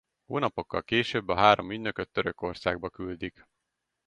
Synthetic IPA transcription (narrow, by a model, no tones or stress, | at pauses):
ho̰ːnɒpo̞kːɒ̰lkeːʃøːbːɒɦaːɾo̞myɟnøkøt̪ːøɾøko̞rsaːɡ̚bɒkyld̪ik